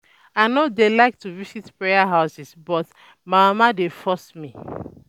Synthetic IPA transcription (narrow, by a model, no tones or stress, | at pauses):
aɪnodelaɪk̚tuvisitpɹejaɦaʊsisbɔt | maamadefɔsmi